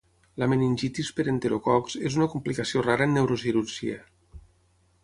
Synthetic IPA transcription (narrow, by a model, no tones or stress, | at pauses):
lameninʲʒit̪ispeɾent̪eɾokɔkzezunəkumplikasioraɾəːnːewɾosiɾuɾʒḭə